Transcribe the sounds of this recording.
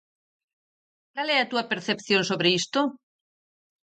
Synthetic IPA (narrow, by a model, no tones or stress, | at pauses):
kaleat̪uapeɾθepθjonsoβɾeist̪o